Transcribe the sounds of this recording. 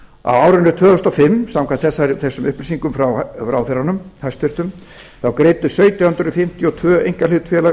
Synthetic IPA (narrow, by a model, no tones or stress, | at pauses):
a̰waːwɾʏnʏt̪ʰvœːʏst̪ɔfɪmːsamkʰvant̪θɛsːaɾθɛsːʏmʏhplisiŋkʏmfɾawrawðfɪɾanʏmhajst̪fɪr̥t̪ʏm | θawkɾeːjt̪ʏsœːɥt̪jaʏnt̪ɾʏfɪm̥t̪jɔt̪ʰvœːejŋ̥kalɪt̪fjɛla